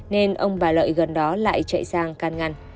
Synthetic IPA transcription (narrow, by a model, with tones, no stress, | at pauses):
ne˧nʔə˧wŋ͡mɓaː˨˧˩lə̰ː˧˨jɣə˨˩nɗɔ˨˦la̰ː˧˨jt͡ɕə̰˧˨jsaː˧ŋkaː˧nŋa˧˩n